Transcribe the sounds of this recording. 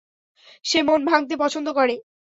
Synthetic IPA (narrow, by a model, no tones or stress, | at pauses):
ʃemonbʱaŋt̪̬epɔt͡ɕʰond̪okoɾe